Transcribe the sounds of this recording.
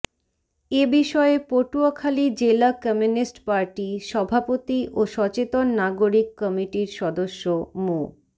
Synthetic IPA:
ebiʃɔepoʈuokʰalid͡ʑelakɔmiunisʈpaɾʈiʃɔbʱapot̪iʔoʃɔt͡ɕet̪onːaɡoɾikːɔmiʈiɾʃɔd̪oʃːomo

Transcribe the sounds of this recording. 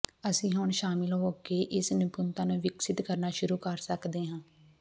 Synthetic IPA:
əsĩːɦʊɳʃaːmɪlɦoːkeːʔɪsnɪpʊnt̪ãːnũːʋɪksɪt̪kəɾnaːʃʊɾuːkəɾsəkd̪eːɦãː

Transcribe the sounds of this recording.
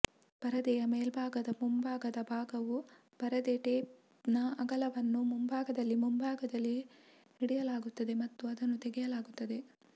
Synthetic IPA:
b̥ɐɾɐd̪ɛjɐmeːlbʱaːɡɐd̪ɐmumbʱaːɡɐd̪ɐbʱaːɡɐʋu | b̥ɐɾɐd̪ɛːʈeː | nɐɐɡɐlɐʋɐnːumumbʱaːɡɐd̪ɐlːimumbʱaːɡɐd̪ɐlːi | hiɽɛjɐlaːɡut̪ːɐd̪e̞mɐt̪ːuɐd̪ɐnːut̪eɡɛjɐlaːɡut̪ːɐd̪e̞

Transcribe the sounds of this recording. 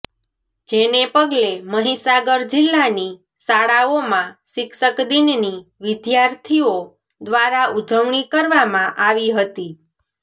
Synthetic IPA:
d͡ʒenepəɡleməɦisaɡəɾd͡ʒɪlːani | saɽaomãʃɪkʃəkd̪inniʋɪd̪jaɾt̪ʰio | d̪ʋaɾaud͡ʒəʋɳ̃ikəɾʋamãʔaʋiɦət̪i

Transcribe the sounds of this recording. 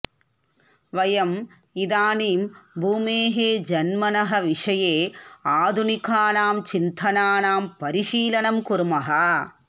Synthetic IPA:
ʋɐjɐm | id̪aːniːmbʱuːmeːɦeːd͡ʒɐnmɐnɐɦɐʋiʂɐjeːaːd̪ʱunikʰaːnaːmt͡ʃint̪ʰɐnaːnaːmpɐɾiʂiːlɐnɐmkuɾmɐɦɐ

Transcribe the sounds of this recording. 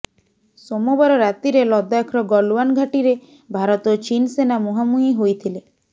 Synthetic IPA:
somobaɾɔɾat̪iɾelɔd̪akʰɾɔɡɔluwanɡʱaʈiɾe | bʱaɾɔt̪ɔt͡ʃinsenamoɦamuɦiɦojt̪ʰile

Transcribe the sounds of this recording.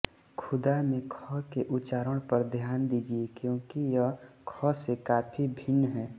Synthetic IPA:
kʰʊd̪amẽkʰɔkeʔʊt͡ʃaːɾəɽ̃pɐɾd̪ʱjaːnd̪iːd͡ʒiekjõːkijəkʰɔsekaːpʰibʱɪnːɦɛː

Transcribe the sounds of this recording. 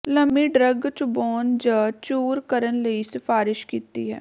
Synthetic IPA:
ləmbiɖɾəɡt͡ʃʊboːnd͡ʒat͡ʃuːɾkəɾənləisɪfaːɾɪʃkiːt̪ḭɦɛ̰ː

